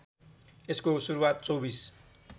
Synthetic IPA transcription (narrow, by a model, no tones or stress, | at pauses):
eskosuɾuwat̪̚t͡sowbis